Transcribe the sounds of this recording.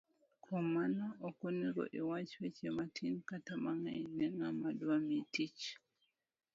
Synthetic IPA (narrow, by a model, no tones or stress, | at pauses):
kʰɔmanaɔkoniɾɔ̰ʔɛwat͡ʃwɛt͡ʃɛmatʰinkatamaŋainɛŋamaduwamitit͡ʃ